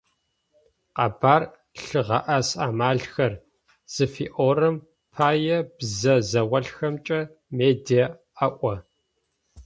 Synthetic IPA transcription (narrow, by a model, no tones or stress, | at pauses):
qɐ̰baːr | ɬɨʁɐʔɐsaːmaːɮxɐr | z̥ɨfiːʔoːrɨm | pʰaːjɛbzɐzɐwɐɬxɐmt͡ʃʼɐ | meːdijɐ | ɐʔʷɔ